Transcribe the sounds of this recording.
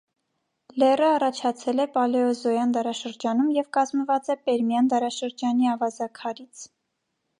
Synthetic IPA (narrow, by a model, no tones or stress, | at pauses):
lɛrəɑrɑt͡ʃʰɑt͡sʰɛlɛpɑlɛɔzɔjɑnd̪ɑɾɑʃəɾd͡ʒɑnumjɛvkɑzməvɑt͡sɛpɛɾmjɑnd̪ɑɾɑʃəɾd͡ʒɑniɑvɑzɑkʰɑɾit͡sʰ